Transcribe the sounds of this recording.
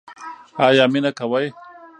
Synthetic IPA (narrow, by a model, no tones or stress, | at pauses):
ajaminakawaj